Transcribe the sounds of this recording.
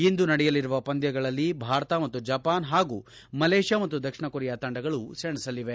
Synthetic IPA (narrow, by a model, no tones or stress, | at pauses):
ind̪unɐɽɛjɐliɾuʋɐpɐnd̪jɐɡɐɭɐlːibʱaːɾɐt̪ɐmɐt̪ːud͡ʒɐpaːnɦaːɡu | mɐleːʂjaːmɐt̪ːud̪ɐkʂɐɳɐkuɾɛjat̪ɐɳɖɐɡɐɭuseɳisɐlːiʋe